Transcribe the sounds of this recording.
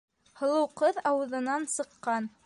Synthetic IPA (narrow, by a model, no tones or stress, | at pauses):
hɤ̆lˠɤ̆wqɤðɑwɤ̆ðɤ̆nɑnsɤ̆qːɑn